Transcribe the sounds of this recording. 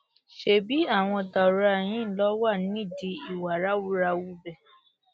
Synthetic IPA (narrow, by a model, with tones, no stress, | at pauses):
ʃe˨bi˨˦a˦˨w̃ɔ̃˧ta˨ɾa˧˨j̃ĩ˨˦n̩˦lɔ˦wa˦˨nĩ˦i˦˨di˧i˨wa˨ɾa˦wu˦ɾa˧wu˦bɛ˦˨